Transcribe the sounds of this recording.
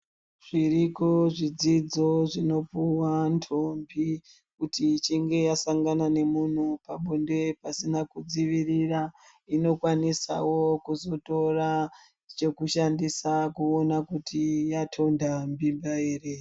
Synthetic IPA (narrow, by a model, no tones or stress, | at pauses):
ʐ̥iɾiko̞ʐid͡zid͡zo̞ʐino̞puwantʰombi | kutit͡ʃiŋɡe̞jasaŋɡanane̞mun̤upaɓonde̞pasinakud͡ziʋirira | ino̞kwanisa̰wo̞kuzo̞to̞ra | t͡ʃe̞kuʃandisakuonakutʰijatʰo̞ndambimbaeːre